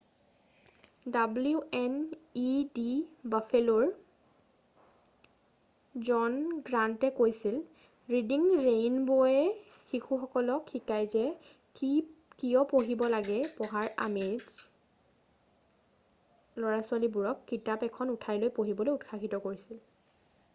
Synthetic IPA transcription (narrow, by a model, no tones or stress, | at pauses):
dabluɛnidibafʰelɔɹ | zɔnɡɹantɛkojsil | ɹidiŋɹejnbojɛxikʰuxɔkɔlɔkʰːikajzɛ | kikijɔpoɦibɔlaɡɛpɔɦaɹamez | lɔɹasʊalibuɹɔkːitapɛkʰɔnutʰajlojpoɦibɔlojutxʰaxitɔkoɹisil